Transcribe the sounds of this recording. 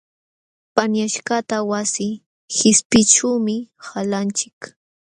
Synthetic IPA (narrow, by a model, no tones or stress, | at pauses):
panjaʃɢat̪awasɪ | xɪspɪʈ͡ʂuwmɪhalant͡ʃɪk